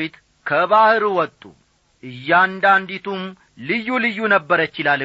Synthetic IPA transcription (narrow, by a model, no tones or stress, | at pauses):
ɪt̪ | kʰəβahɨɾuwɔt̪ʼːṵ | ʔɨjːand̪and̪it̪ʰum | lɨjːulɨjːunəbːəɾət͡ʃːɪlal